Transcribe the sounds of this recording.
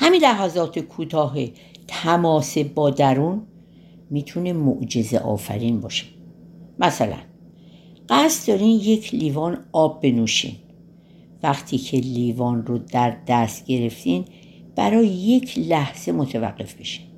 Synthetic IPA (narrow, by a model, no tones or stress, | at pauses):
hæminlæɦæzɒːt̪ʰekʰuːt̪ʰɒːɦe | t̪ʰæmɒːse̞bɒːd̪æɾun | miːt̪ʰune̞moʔd͡ʒe̞zḛʔɒ̰ːfæ̰ɾiːnbɒːʃe̥mʔæsælæ̰n | ɢæst̪d̪ɒɾinje̞cʰliːvɒːnɒːbːe̞nuːʃḭn | væxt̪ʰiːcʰe̞liːvɒːnrod̪æɾd̪æst̪ɟe̞ɾe̞ft̪iːn | b̥æ̰ɾɒːjejecʰlæhz̥e̞mot̪ʰævæ̰ɢːe̞fb̥e̞ʃi̥n